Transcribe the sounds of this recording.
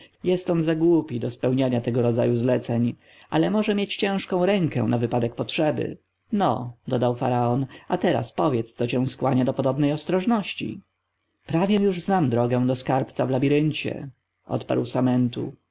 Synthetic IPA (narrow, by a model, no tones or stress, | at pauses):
jɛst̪ɔnzaɡwupʲid̪ɔspɛwɲaɲat̪ɛɡɔɾɔd̪za̰juzlɛt̪sɛɲ | ʔalɛmɔʐɛmʲjet͡ɕt͡ɕɛ̃w̃ʂkɔ̃w̃ɾɛŋkɛ̰w̃navɘpad̪ɛk̚pɔtʂɛbɘ̰ | nɔ̰d̪ɔd̪awfa̰ɾaɔnat̪ɛɾa̰spɔvʲjɛt̪st̪sɔt͡ɕɛ̃w̃skwaɲad̪ɔpɔd̪ɔbnɛjɔst̪ɾɔʐnɔɕt͡ɕḭ | pɾavʲjɛjuʐznamd̪ɾɔɡɛw̃d̪ɔskaɾpt̪savlabʲiɾɘɲt͡ɕɛ̰ | ʔɔ̰t̪pa̰ɾwsamɛnt̪ṵ